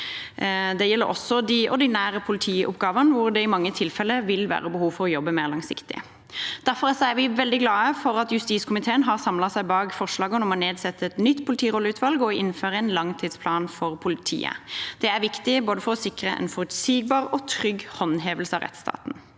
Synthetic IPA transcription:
d̪ɛjɛlːə̰ɾɔ̰sɔd̪iʔɔʁd̪ɪnæːɾəpʰʊlɪt̪ʰiːʔʊ̰pɡɑːʋənəʋʊɾd̪ɛɪmɑŋːət̪ʰɪlfɛlːəʋɪlʋæ̰ːʁəbəhuːʋfɔʁɔjɔbːəmeːʁlɑŋsɪ̰kt̪ɪ̰ | d̪̥æʁfɔʁsɔæʋɪʋɛld̪ɪɡlɑːəfɔɾɑt̪jʉst̪iːskʰʊmɪt̪ʰeːənɦɑʁsɑmlɑsæɪbɑːɡfɔʁʂlɑːɡənɔmɔneːd̪sɛt̪ːəɛt̪nʏt̪ːpʰʊlɪt̪ʰiːʁɔləʉːt̪ʰʋɑlɡɔɪnføːʁəɛnlɑŋt̪ʰiːd̪spʰlɑːnfɔʁpʰʊlɪt̪ʰḭːə̰d̪̥ɛæɾʋɪkt̪ɪboːd̪əfɔʁɔsɪkʁəʔɛ̰nfɔʁʉt̪siːɡ̚bɑːʁɔt̪ʰʁʏɡhɔnɦeːʋəlsəɑʁɛ̰t̪st̪ʰɑ̰ːt̪n̩

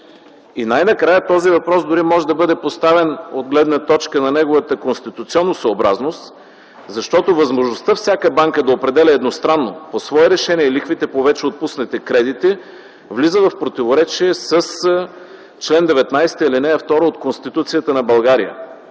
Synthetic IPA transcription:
inajnɐkɾajət̪ɔzivɐpɾɔsd̪ʊɾimɔʒɛd̪ɐbɤd̪ɛpost̪avɛnod̪ɡlɛd̪nət̪ɔt͡ʃkənɐnɛɡovət̪əkonst̪it̪ut̪siɔnːosoobɾaznost̪ | zɐʃt̪ɔt̪ovɐzmoʒnost̪əfsʲjakəbaŋkəd̪ɐopɾɛd̪ɛlʲɛɛd̪nost̪ɾanːoposvɔɛɾɛʃɛniɛlixvit̪ɛpovɛt͡ʃɛot̪̚pusnɛt̪ɛkɾɛd̪it̪i | vlizəvɐfpɾot̪ivoɾɛt͡ʃiɛsəs | t͡ʃlɛnd̪ɛvɛt̪najsɛ̥t̪iilinɛɐft̪ɔɾoot̪konst̪it̪ut̪sijət̪ənɐbɐlˠɡaɾijə̰

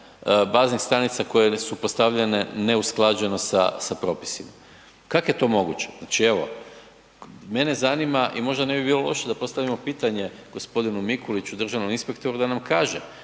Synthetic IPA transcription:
baːznixst̪ɾanit̪sako̞je̞supost̪aʋʎene̞ne̞usklˠad͡ʒeno̞sa̰sapɾo̞ːpi̥sima | kakojet̪o̞mo̞ɡṵt͡ɕe̞znat͡ʃie̞ʋo̞̰ | me̞ne̞zanimaʔimo̞ʒd̪ane̞bibiːlˠo̞lˠo̞̰ʃed̪apo̞st̪aʋimo̞piːt̪aɲe̞ɡ̥o̞spo̞d̪inumikolit͡ɕud̪r̩ʒaʋno̞minspekt̪o̞ɾud̪anamkaːʒe

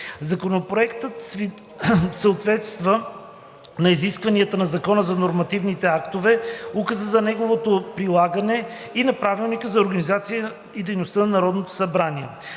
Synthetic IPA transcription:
zɐkonopɾoɛkt̪ət̪s | səʊt̪vɛt̪st̪və | nɐiziskvɐniət̪ənɐzɐkɔnəzɐnoɾmɐt̪ivnit̪ɛakt̪ovɛukəzəzɐnɛɡovot̪opɾilˠaɡənɛ | inɐpɾavilˠnikəzɐoɾɡənizat̪sijə | id̪ɛjnost̪ənɐnɐɾɔd̪not̪o̥sɐbɾaniɛ

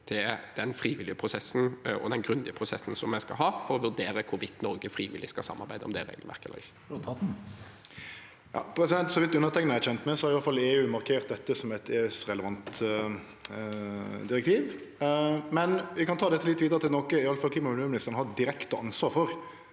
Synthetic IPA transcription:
t̪ʰɪld̪̥ɛnfɾiːʋɪlɪəpʰɾʊsɛsːn̩ɔ̰d̪ɛnɡɾʉnd̪ɪəpʰɾʊsɛsːn̩sɔmːæɪskɑ̰ɦɑːfɔɾɔʋʉd̪eːɾəkʰʊʋɪt̪ːnɔɾɡəfɾiːʋɪ̰lːɪskɑsɑ̰mːɑɾbæɪd̪əɔmd̪ɛʁḛːɡlʋæ̰ʁkəɛlːə̰ʁɪçːə̥ | jɑ̰ːpʰɾɛsɪd̪ɛnt̪sɔʋɪt̪d̪ʉʉnəɾt̪ʰɛŋənəæɕçɛnt̪mɛsɔhɑɾɪʋɑləfɑleːʉːmɑɾkʰeːɾt̪̚d̪ɛt̪ːəsɔmɛt̪ʰeːʉsɾɛləʋɑnt̪ | d̪ɪɾɛk̚t̪ʰiːʋ | mɛnʋɪkɑnt̪ʰɑːd̪ɛt̪ːəlɪt̪ːʋiːd̪əɾət̪ɪlnɔkəɪɑləfɑlkʰliːmɑʉløːɾmɪnɪst̪əɾn̩hɑd̪ɪɾɛkt̪əʔɑnsʋɑːɾfɔɾ

